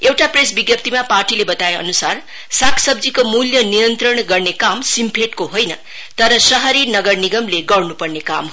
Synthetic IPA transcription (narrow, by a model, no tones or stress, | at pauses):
ewʈapresbiɡjʌpt̪ʰimaparʈilebʌt̪aeʌ̰nusar | sakʰsʌbd͡zikomuljʌnijʌnt̪ɾʌɽɡʌrnekamsimpʰeʈkoɦojnʌ | t̪ʌɾʌsʌɦʌɾinʌɡʌrniɡʌmleɡʌrnupʌrneka̰mɦ